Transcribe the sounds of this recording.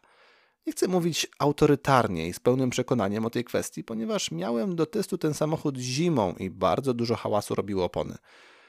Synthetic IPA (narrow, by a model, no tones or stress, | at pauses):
ɲɛxt̪sɛmuvʲit͡ɕawt̪ɔɾɘt̪aɾɲɛ̰ispɛwnɘmpʂɛkɔn̪aɲɛmɔt̪ɛjkfɛ̰st̪ʲjipɔɲɛvaʂmʲjawɛmd̪ɔt̪ɛst̪ut̪ɛnsamɔxud̪ʑimɔ̰̃w̃ʔḭba̰ɾd̪zɔd̪uʐɔxawasṵɾɔbʲiwɔːpɔ̰nɘ̰